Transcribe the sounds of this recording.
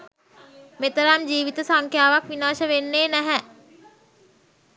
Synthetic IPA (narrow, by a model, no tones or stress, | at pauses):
met̪əɾamd͡ʒiːʋit̪əsaŋkʰjaːʋakʋinaːʃəʋenːeːnɛɦɛ